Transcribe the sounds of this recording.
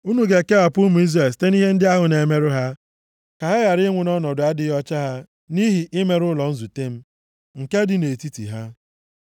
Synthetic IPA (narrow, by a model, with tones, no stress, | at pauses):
u˦nu˨ɡe˨ke˦a˨pʊ˦mu˨i˦zɾe˨ste˦ni˦ɦe˦n̩˦dɪ˦a˦ɦʊ˨ne˨me˦ɾʊ˦ɦa˦ | ka˨ɦa˦ɣa˨ɾɪ˦ŋʷʊ˨nɔ˦nɔ˨dʊ˨a˦dɪ˦ɔ˦t͡ʃa˦ɦa˦ | ni˦ɦi˨ʔɪ˦me˦ɾʊ˦lɔ˨n̩˦zu˨te˦m̩˦ | ŋ̩˨ke˦dɪ˨ne˨ti˦tḭ˨ɦa˦